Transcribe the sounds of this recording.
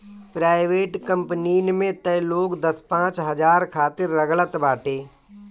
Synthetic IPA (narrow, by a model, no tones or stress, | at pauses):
pɾaːɪʋeːʈkə̃mpniːnmẽt̪əjloːkd̪ɐspãːt͡ʃɦɐd͡ʒaːɾkʰaːt̪ɪɾːəɡlət̪baːʈeː